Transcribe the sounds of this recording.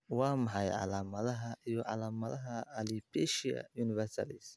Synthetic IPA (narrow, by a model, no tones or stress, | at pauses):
wɑːmɐħɑjʕɑ̰laːmɐðɐɦɐʔijɔʕɑ̰laːmɐðɐɦɐːlibɛʃiɐ̰juːnɪvɛrsɐ̰lis